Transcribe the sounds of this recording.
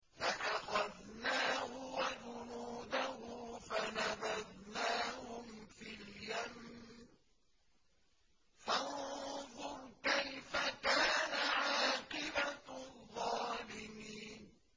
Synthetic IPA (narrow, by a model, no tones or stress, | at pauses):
faʔaxaðnaːhʊwad͡ʒʊnuːd̪ahʊfanaðaðnaːhʊmfiljamn | fanðˤʊɾkajfakaːnaʕaːqɪbaðˤːɑːlɪmiːn